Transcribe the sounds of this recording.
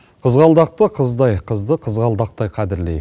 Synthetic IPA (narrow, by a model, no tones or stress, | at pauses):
qʰəzʁɑlˠd̪ɑq̚t̪əqʰəzd̪ɑjqʰəzd̪əqʰəzʁɑlˠd̪ɑq̚t̪ɑjqʰɑd̪ɪɾlej